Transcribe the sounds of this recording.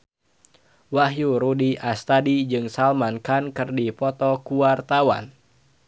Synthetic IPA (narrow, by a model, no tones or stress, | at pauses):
waɦjuɾudiʔast̪adid͡ʒɨŋsalmankankɨrdipɔt̪ɔkuart̪awa̰n